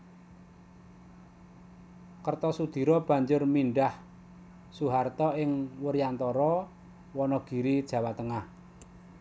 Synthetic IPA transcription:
kərt̪ɔsud̪̥i̤ɾɔb̥ä̤ɲd͡ʒʊrminɖah | suɦart̪ɔɪŋwəɾiant̪ɔɾɔ | wɔnɔɡ̥i̤ɾid̥ʒ̥ä̤wat̪əŋah

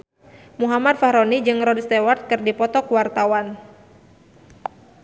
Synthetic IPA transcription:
muɦamat̪̚fahɾɔnid͡ʒɨŋrɔdst̪ɛwart̪̚kɨrdipɔt̪ɔkuwart̪awan

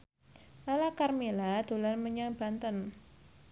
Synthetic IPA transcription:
lalakarmelad̪̥o̤lanməɲaŋb̥a̤nt̪ən

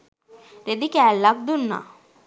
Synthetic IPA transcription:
ɾed̪ikɛːlːak̚d̪unːa̰

